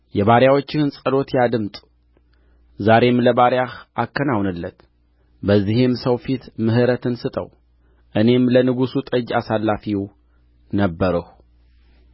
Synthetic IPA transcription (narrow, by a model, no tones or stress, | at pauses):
jɛβaɾjawo̞t͡ʃːɪhɨnsʼəlo̞t̪jad̪ɨmt̪ʼ | zaɾe̞mləbaɾjahʔakʰːənawnɨlːət̪ | bəzːihimsəwfit̪mɨɦɨɾət̪ɨnsɨt̪ʼə̰w | ʔɨne̞mlənɨɡusut̪ʼəd͡ʒasalːafiw | nəbːəɾəh